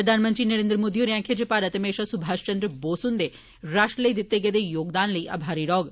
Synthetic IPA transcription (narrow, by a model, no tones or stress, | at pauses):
pɾəd̪ʱaːnmənt̪ɾinɐɾẽːnd̪ɾəmoːd̪ijoɾjãːkʰed͡ʑepaːɾət̪əmeːʃasʊbʱaːʃt͡ʃɐ̃nd̪ɾəboːsund̪e | ɾaːʃʈɾələid̪ɪt̪ːeɡed̪ejoːɡd̪aːnləiʔɐ̰bʱaːɾiɾɔːɡ